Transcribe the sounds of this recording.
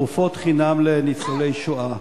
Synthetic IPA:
ufot̪χinamlenit͡solejʃoa

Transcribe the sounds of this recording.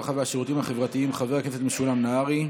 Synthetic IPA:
χavaaʃeʁut̪imhaχe̞vʁat̪iimχaveakefetmeʃulamnaaʁi

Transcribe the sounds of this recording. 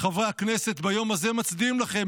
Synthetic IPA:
χavʁeaknese̞t̪bajo̞mazemat͡sd̪imlaχe̞

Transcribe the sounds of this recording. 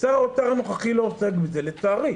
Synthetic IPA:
t͡saʁotaʁanoχaχilooseɡbizelet͡saːʁi

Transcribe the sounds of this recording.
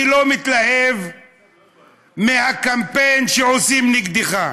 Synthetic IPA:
ilo̞mit̪lahe̞v | mehakampe̞jnʃeosimniɡd̪iχa

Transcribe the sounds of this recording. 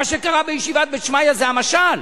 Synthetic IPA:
aʃekaʁabejeʃivat̪̚bet̪ʃmajazeamaʃal

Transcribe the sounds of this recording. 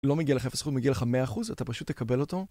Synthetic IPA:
lomeɡialeaefesutmeɡialeχameaːχuzatapaʃut̪ːekabe̞lo̞to̞

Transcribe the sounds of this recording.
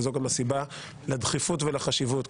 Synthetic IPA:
zokamasiba | lad̪χifutvelaχaʃivut

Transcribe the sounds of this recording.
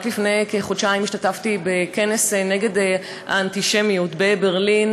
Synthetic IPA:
tlifnejkeχodʃaimiʃtataftibeke̞neseneɡe̞d | aantiʃemijutbe̞beʁlin

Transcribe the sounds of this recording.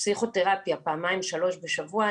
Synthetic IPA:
siχo̞t̪e̞ʁapjapaːmaimʃalo̞ʃbe̞ʃavua

